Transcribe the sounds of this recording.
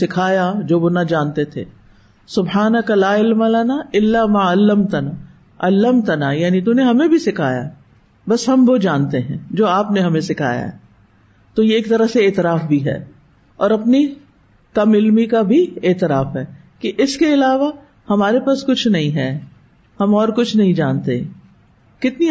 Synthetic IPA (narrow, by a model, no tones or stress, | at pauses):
sɪkʰaːjad͡ʒoːʋonɐd͡ʒaːnt̪et̪ʰḛː | sʊbhaːnɐkalaːɪlmɐlɐnaɪlːamaːɐlːəmt̪ɐna | ɐlːəmt̪ɐnajaːnit̪uneɦɐmẽbʱisɪkʰa̰ːja̰ | bɐsɦɐmʋod͡ʒaːnt̪eɦɛ̃ːd͡ʒoːaːpneɦɐmẽsɪkʰa̰ːja̰ɦɛ̰ | t̪ojeːk̚t̪ɐɾəɦseɪːt̪ɪɾaːfbʱiɦɛ̰ː | ɔːɾɐpni | kɐmɪlmikabʱiɪːt̪ɪɾaːfɦɛː | kiʔɪskeɪlaːʋa | hɐmaːɾepaːskʊt͡ʃʰnɐɦĩɦɛː | hɐmɔːɾkʊt͡ʃʰnɐɦĩd͡ʒaːnt̪e | kɪt̪ni